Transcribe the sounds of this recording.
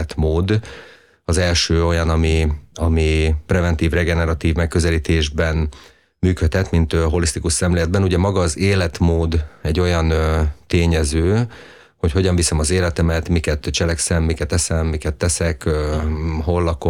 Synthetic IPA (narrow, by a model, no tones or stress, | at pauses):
t̪moːd̪ | ɒzɛlʃøːo̞jɒnɒmiɒmiprɛvɛnt̪iːvrɛɡɛnɛɾɒt̪iːvmɛkːøzɛliːt̪eːʒbɛn | myːkøt̪hɛt̪mint̪øɦo̞list̪ikuʃsɛmleːlɛd̪bɛnuɟɛmɒɡɒːzeːlɛt̪moːd̪ɛɟːo̞jɒnt̪eːɲɛzøː | hocho̞ɟɒɱvisɛmɒzeːlɛt̪ɛmɛt̪mikɛt̪t͡ʃɛlɛksɛmːikɛt̪ːɛsɛmːikɛt̪ːɛsɛkː | ɦo̞lːɒko